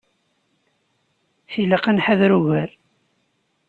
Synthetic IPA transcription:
θiləqənħaðɾuʝæɾ

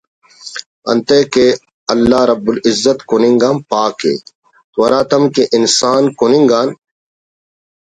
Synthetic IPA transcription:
ɐ̰nt̪eːke | ɐlːaːɾɐbːulɪzːɐt̪kunĩŋɡaːmpaːkḛː | t̪wɐɾaːt̪ɐmkeʔɪnsaːnkunĩŋɡaːn

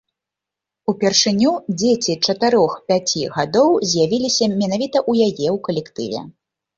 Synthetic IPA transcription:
upʲɛrʂɨnʲud͡zʲet͡sʲit͡ʂɐt̪ɨɾɔxpʲat͡sʲiɣad̪ɔwzʲjavʲilʲisʲɐmʲɛnavʲit̪ɐʔujajɛwkɐlʲɛkt̪ɨ̰vʲɛ̰

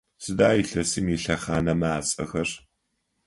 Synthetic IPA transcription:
sɨdaːjiɬɐsimiɬɐχaːnɐmaːt͡sʼɐ̰xɐr

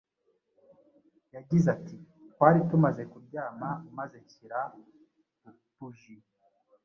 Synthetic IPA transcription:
jaɟizati | twaːɾitumaze̞kuɾɟaːmaumaze̞ciɾa | tuʒi

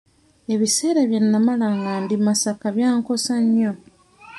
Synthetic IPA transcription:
e̞βise̞ːɾaβjenːamalaŋɡaːndimasakaβjaːŋko̞saɲːo

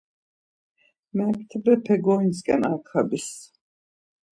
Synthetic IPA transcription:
mɛpt̪ʰɛbɛpʰɛɡɔinskʼɛ̰nakʰabis

